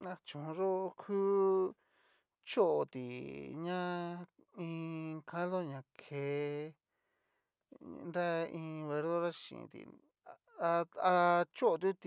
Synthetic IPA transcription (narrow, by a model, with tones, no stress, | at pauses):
a˧t͡ʃũ˨˧ʐo˦˧kʰuː˦ | t͡ʃo˦ʔo˨t̪i˨ɲã˦ | ĩ˧kʰã˦lo˦ɲã˨kʰe˧ | nɾa˦ĩ˧βe˧ɾðo˦ɾa˦ʃḭ̃˨˧t̪ḭ˨ | a˧a˧t͡ʃo˦o˧t̪̬u˦t̪i˧